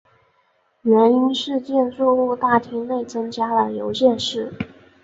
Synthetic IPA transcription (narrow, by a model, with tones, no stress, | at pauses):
ɥə˧˥ny˥nʂɻ̩˥˧t͡ɕjɛ˥˧nt͡sɔ˥˧u˥˧t̪a˥˩t̪ʰi˥ŋne˥˩ɪt͡sɤ˥ŋt͡ɕja˥lə˨jo˧˥ʊɕjɛ˥˧nʂɻ̩˥˩